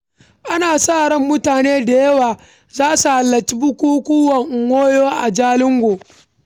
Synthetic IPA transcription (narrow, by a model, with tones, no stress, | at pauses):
ʔa˦naː˨saː˦˨ɽɐ˦mːʊ˦taː˨neː˦da˨jɐ˦waː˨ | zaː˦su˨ha˨lːɐ˨t͡ʃi˦bʊ˦kʷuː˦kʷuː˦wɐ˨ŋʔŋːʷoː˦joː˦ʔa˨d͡ʒaː˦lɪ˦ŋɡʷoː˨